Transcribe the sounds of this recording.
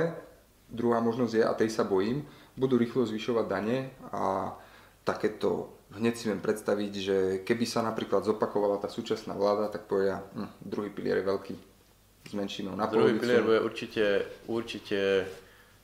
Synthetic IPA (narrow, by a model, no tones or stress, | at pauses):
d̪ɾuɦaːmɔʒnɔzɟjɛʔa̰t̪ɛjsabɔjiːmbud̪uːɾiːxlɔzʋiʃɔʋaɟd̪aɲɛa̰ | t̪akɛːt̪ɔ̰ɦɲɛcsiʋjɛmpɾɛt̪st̪aʋiɟʒɛkɛbisanapɾiːklad̪zɔpakɔʋalat̪aːsuːt͡ʃasna̰ːʋlaːd̪at̪ak̚pɔʋɛɟad̪ɾuɦiːpilɪ̰ɛ̰ɾjɛʋɛlkḭː | zmɛnʃiːmɛɦɔnapd̪ɔluɔɦiʋipilɪɛɾbujɛʔṵɾt͡ʃicɛuɾt͡ʃicɛ